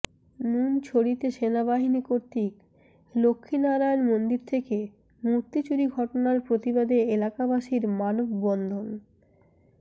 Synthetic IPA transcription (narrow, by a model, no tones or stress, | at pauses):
nunt͡ɕʰoɽit̪eʃenaβaɦinikoɾt̪ik | lokʰːinaɾajonmond̪iɾt̪ʰeke | muɾt̪it͡ɕuɾiɡʱɔʈonaɾpɾot̪ibad̪eelakabaʃiɾmanobbɔnd̪ʱon